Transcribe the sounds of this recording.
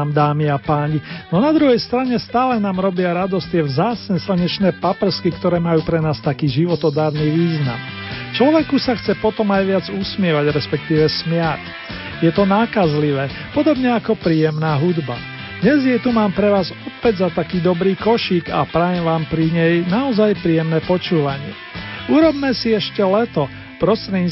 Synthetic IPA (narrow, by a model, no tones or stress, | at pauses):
md̪aːmiapaːɲinɔnad̪ɾuɦɛjst̪ɾaɲɛst̪aːlɛnaːmɾɔbɪaɾad̪ɔst̪ɪɛʋzaːt͡sɲɛslaɲɛt͡ʃnɛːpapɛr̩skikt̪ɔɾɛːmajuːpɾɛnaːst̪akiːʒiʋɔt̪ɔd̪aːɾniːʋiːzna̰m | t͡ʃlɔʋɛkusaxt͡sɛpɔt̪ɔmajʋɪad͡zusmɪɛʋaɟɾɛspɛk̚t̪iːʋɛsmɪac | jɛt̪ɔnaːkazliʋɛː | pɔd̪ɔbɲɛakɔpɾiːjɛmnaːɦud̪ba̰ | d̪̥ɲɛzjɛt̪umaːmpɾɛʋaːzɔpɛɟzat̪akiːd̪ɔbɾiːkɔʃiːɡapɾajɛmʋaːmpɾiɲɛjnaɔzajpɾiːjɛmnɛːpɔt͡ʃuːʋaɲɪɛ̰ | uɾɔbmɛsiɛʃcɛlɛt̪ɔ | pɾɔst̪ɾɛɲi